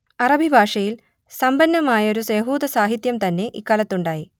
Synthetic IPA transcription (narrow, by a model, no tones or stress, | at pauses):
ɐrɐbʱibʱaːʂɐjil | sɐmbɐnːɐmaːjɐo̞ɾusjeɦuːd̪ɐsaːɦit̪jɐmt̪ɐnːe̞ʔḭkːaːlɐt̪ːuɳɖaːji